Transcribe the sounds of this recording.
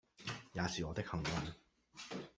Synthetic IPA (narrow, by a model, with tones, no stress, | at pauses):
jaː˨˧siː˨˩ɔː˨˧t̪ɪ˥k̚hɐ˨˩ŋwɐ˨˩n